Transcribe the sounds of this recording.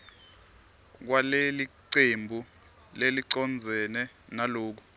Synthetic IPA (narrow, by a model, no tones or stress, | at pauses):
k̬waleliǀembʱu | leliǀɔnd͡zʱɛnɛ | naloːk̬u